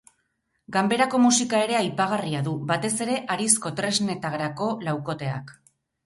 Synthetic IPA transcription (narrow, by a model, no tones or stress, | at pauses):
ɡambe̞ɾako̞musikae̞ɾe̞ajpaɣ̞ariaðuβat̪e̞se̞ɾe̞ʔaɾisko̞t̪ɾe̞zne̞t̪aɣɾako̞lawko̞t̪e̞a̰k